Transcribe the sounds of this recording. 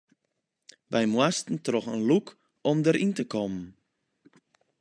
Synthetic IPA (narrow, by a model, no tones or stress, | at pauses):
ʋɛjmwastn̩trɔxənluk | ɔmdəɾʔintəkɔmn